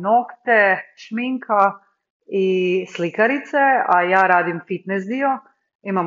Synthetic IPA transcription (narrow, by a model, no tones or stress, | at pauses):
nokt̪eʃmiŋkʰa | islikaɾit̪seajaːɾaːd̪imfit̪nes̬d̪io̞ | imam